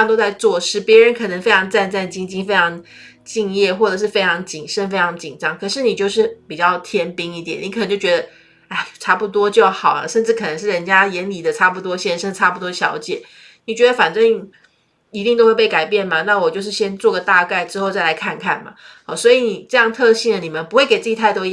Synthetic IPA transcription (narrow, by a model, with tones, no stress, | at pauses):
t̪o˥ʊt͡sa˥˧ɪt͡swɔ˥˧ʂɻ̩˥˩pjɛ˧˥ɻə˧˥nkʰɤ˨˩nə˧˥ŋfe˥ɪʈ͡ʂʰɑ˧˥ŋʈ͡ʂa˥˧nt͡sa˥˩nt͡ɕi˥ŋt͡ɕi˥ŋfe˥ɪʈ͡ʂʰɑ˧˥ŋ | t͡ɕi˥˧ŋjɛ˥˩xwɔ˥˩ʈ͡ʂə˨˩ʂɻ̩˥˩fe˥ɪʈ͡ʂʰɑ˧˥ŋt͡ɕi˨˩nʂə˥nfe˥ɪʈ͡ʂʰɑ˧˥ŋt͡ɕi˨˩nʈ͡ʂɑ˥ŋkʰɤ˨˩ʂɻ̩˥˩ni˨˩t͡ɕjo˥˧ʊʂɻ̩˥˩pi˨˩t͡ɕjɑ˥˩ʊt̪ʰjɛ˥npi˥ŋi˥˩t̪jɛ̰˨˩˦ni˧˥kʰn˧ŋt͡ɕjo˥˩ʊt͡ɕɥɛ˧d̪ə˧ | a˥˩ɪʈ͡ʂʰa˥pu˧t̪̬wɔ˦t͡ɕjo˥˩ʊxɑ˨˩ʊlə̰˦ʂə˥˧nʈ͡ʂɻ̩˥˩kʰɤ˨˩nə˧˥ŋʂɻ̩˥˩ɻə˧˥nt͡ɕja˥jɛ˧˥nli˨˩d̪ə˦ʈ͡ʂʰa˥pu˧˩t̪wɔ˥ɕjɛ˥˧nʂə˥˧˥ʈ͡ʂʰa˥pu˧˩t̪wɔ˥˩ɕjɑ̰˧˥ʊt͡ɕjɛ˨˩˦ | ni˨˩t͡ɕɥɛ˧˥d̪ə˧fa˨˩nʈ͡ʂə˥ŋ | i˧˥i˥˧ŋt̪o˥ʊwe˥˧ɪpe˥˩ka˨˩ɪpjɛ˥˩nmɐ˩na˥˩wɔ˨˩t͡ɕjo˥˧ʊʂ̬ɻ̩˥˩ɕjɛ˥nt͡swɔ˥˩ɡə˩t̪a˥˧ka˥˩ɪʈ͡ʂɻ̩˥xo˥˧ʊt͡sa˥˩ɪla˧ɪkʰa˥˧nkʰa˥˩nmɐ̰˩ɔ˥˧˩swɔ˧˥i˨˧˩ni˨˩ʈ͡ʂɤ˥˧jɑ˥˧ŋt̪ʰɤ˥˧ɕi˥˩ŋə˩ni˨˩mə˦npu˧˥we˥˩ɪke˨˩ʈ͡ʂɤ˥˩t͡ɕi˧˥t̪ʰa˥˩ɪt̪wɔ˥